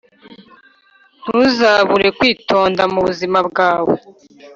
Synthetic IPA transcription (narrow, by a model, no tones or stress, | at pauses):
n̥huzaːβuɾe̞kwiːtʰo̞ːndamuβuzimabɡaːwḛ